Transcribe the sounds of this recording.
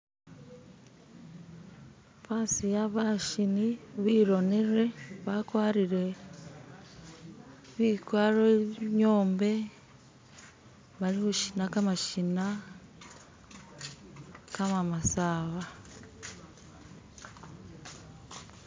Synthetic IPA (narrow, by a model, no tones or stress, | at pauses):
paːsijaβaʃiniβiːɾo̞neɾe̞βakwaːɾiɾwe̞ | βikwaːɾoβɲo̞ːmbe̞ | βalihuʃinakamaʃina | kamamasaːβa